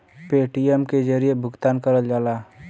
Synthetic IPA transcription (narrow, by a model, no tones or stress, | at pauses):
peːʈijəmked͡ʒəɾiebʱʊɡt̪aːnkəɾəld͡ʒaːlaː